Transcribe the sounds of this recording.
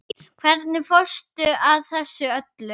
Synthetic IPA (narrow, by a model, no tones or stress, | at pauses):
kʰvɛɾt̪nɪfɔst̪ʏaðθɛsːʏœt̪lʏ